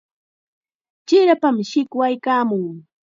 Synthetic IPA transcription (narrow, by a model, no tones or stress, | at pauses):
t͡ʃɪɾapamʃɪkwajkaːmʊŋ